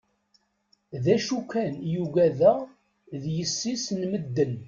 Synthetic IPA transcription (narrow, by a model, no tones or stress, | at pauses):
ðæʃukænjuɡæðəʁ | ðjəsːisnməd̪ːən